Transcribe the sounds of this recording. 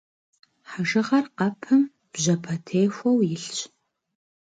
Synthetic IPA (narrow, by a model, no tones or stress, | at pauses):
ħaʒɨʁɐrqɐpʰɨm | b̥ʑɐpʰɐtʰeːxʷɔwjɪɬt͡ʃʼ